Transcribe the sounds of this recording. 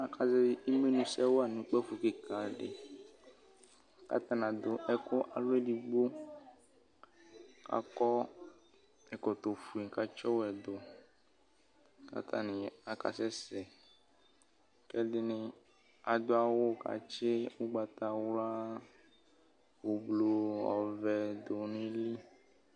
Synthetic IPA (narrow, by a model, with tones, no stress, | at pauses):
a˨ka˨sɛ˦i˦me˦nũ˨˦sɛ˦wo˦a˦˨nũ˨˦k͡pɛ˦fu˨kɪ˨ka˨ɖɪ̰˨ | ka̰˦t̪a˨nã˨d̪ʊ˨ʔɛ˨kʊ˦ʔa˨lʊ˦ɛ˦di˨ɡ͡bo˦ | ka̰˨kɔ˦ | ɛ˨kɔ˨t̪o˨fu˨i˨ka˨t͡ʃɔ˦wɛ˨d̪ʊ˨ | ka̰˨t̪ʰa̰˨nĩ˨a˨ka̰˨sɛ˦sɛ˨ | kɛ˦dɪ˦nɪ̃˦ | a˨d̪o˦a˨wo˦˨ka̰˨t͡ʃe˦wo˦ɡ͡ba˨t̪a˨wla˦ | wo˨blo˨ɔ̰˨vɛ˨d̪o˨nĩ˦li˦